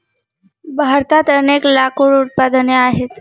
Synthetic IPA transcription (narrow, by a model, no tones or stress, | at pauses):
bʱaɾt̪at̪əneklakoɭut̪̚pad̪əneaɦet̪